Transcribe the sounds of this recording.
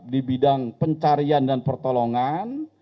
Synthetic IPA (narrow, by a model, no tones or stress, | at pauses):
dibidaŋpəɲt͡ʃaɾiandanpərt̪ɔlɔŋan